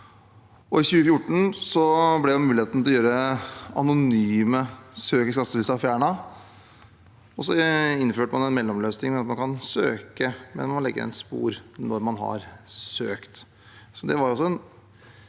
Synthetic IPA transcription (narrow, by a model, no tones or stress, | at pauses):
ʔɔɪçʉːəfjʊʈːɳ̩sɔblɛjæmʉːlɪeːt̪n̩t̪ʰlɔjøːɾəɑ̰nʊnyːməsøːkəskɑt̪ːət̪ɪsɑfjæːɳɑ | ɔsɔɪnːføːʈəmɑnɛnmɛlːɔmløːsnɪŋnɛɑt̪mɑnkʰɑnsøːkəmɛ̰nmmɑnlɛ̰ɡːə̰ɾɛ̰nspṵːɾnɔɾmɑnɦɑ̰ɾsøːkt̪ | sɔd̪ɛʋɑɾjɔsːɔɛn